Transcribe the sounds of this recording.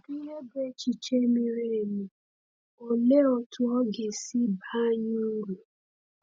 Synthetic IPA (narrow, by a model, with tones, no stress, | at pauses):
bi˦je˦be˦t͡ʃi˨t͡ʃe˦mi˦ɾe˦e˨mi˨ | o˨le˦ɔ˨tʰʊ˦ɔ˦ɡe˨si˦ba˦ɲu˦ɾu˨